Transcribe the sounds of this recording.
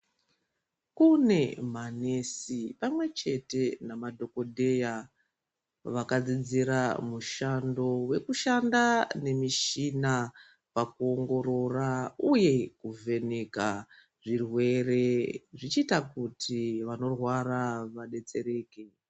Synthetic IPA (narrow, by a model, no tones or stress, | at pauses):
kune̞mane̞sipamwe̞t͡ʃe̞te̞namadʱo̞ko̞dʱe̞ja | ʋakad͡zid͡ziɾamuʃando̞we̞kuʃandane̞miʃina | pakuo̞ŋɡo̞ɾo̞rauje̞kuve̞ne̞ka | ʐirwe̞re̞ʐit͡ʃiːtakutʰiʋano̞rwaraʋaɗe̞t͡se̞ɾe̞ːke̞